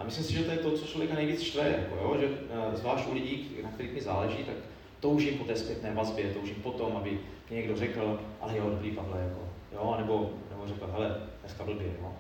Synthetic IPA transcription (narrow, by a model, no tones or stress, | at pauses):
ʔa̰mɪslimsɪʒɛt̪ojɛt̪ot͡sot͡ʃlovjɛkanɛjviːt͡sʃt̪vɛja̰ko̰joʒɛzvlaːʃt̪ʔulɪɟiːknakt̪ɛɾiːxmɪzaːlɛʒiːt̪ak | t̪owʒimpot̪ɛːspjɛt̪nɛːvazbjɛt̪owʒiːmpo̞t̪o̞mʔabɪ | mɪɲɛɡdo̞rɛkl̩ʔa̰lɛjɛɦodobɾiːpavlɛjakojonɛbo̞nɛbo̞rɛkl̩ɦɛlɛt̪ɛskabl̩bjɛjo̰